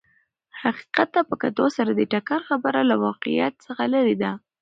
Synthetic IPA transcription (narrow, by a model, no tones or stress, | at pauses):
haqi̥qat̪̚d̪apəkat̪osaɾad̪əʈakaɾxabəɾalawɑqḭja̰t̪̚səxalaɾid̪a